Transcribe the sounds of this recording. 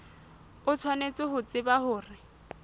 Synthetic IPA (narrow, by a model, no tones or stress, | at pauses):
ʊt͡sʰwanet͡sʼɪɦʊt͡sʼɪbahʊːrɪ